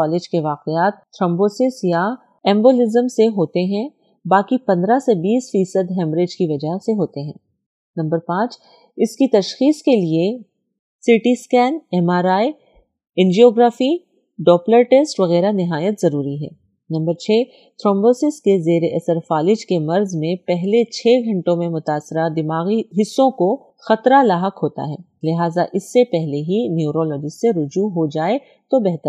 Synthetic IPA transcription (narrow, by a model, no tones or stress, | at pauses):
ɔːlɪd͡ʒkeʋaːqeaːt̪ːʰɾɔ̃ːmboːsɪsja | ɛ̃ːmboːlɪzəmseɦoːt̪eɦɛ̃ | baːkipɐ̃nd̪ɾasebiːsfiːsəd̪ɦɛ̃ːmɾeːd͡ʒkiʋɐd͡ʒaɦseɦoːt̪eɦɛ̃ː | nɐ̃mbəɾpãːt͡ʃ | ɪskit̪ɐʃxiːskelie | sɪʈiskɛːnɛːmaːɾaːi | ɪ̃nd͡ʒioːɡɾaːfi | ɖɔːpləɾʈeːsʈʋɐɣɛːɾanɪɦaːjət̪zɐɾuːɾiɦɛ̰ː | nɐ̃mbəɾt͡ʃʰeː | t̪ʰɾɔ̃ːmboːsɪskezeːɾeʔɐsəɾfaːlɪd͡ʒkemɐɾzmẽpɛɦlet͡ʃʰɛːɡʱɐ̃ɳʈõmẽmʊt̪aːsːɪɾad̪ɪmaːɣiɦɪsːõko | xɐt̪ɾalaːɦəkɦoːt̪a̰ɦɛː | lɪɦaːzaʔɪsːepɛɦleɦinjuːɾɔːlɔːd͡ʒɪsːeɾʊd͡ʒuɦod͡ʒaːe | t̪obɛɦt̪əɾ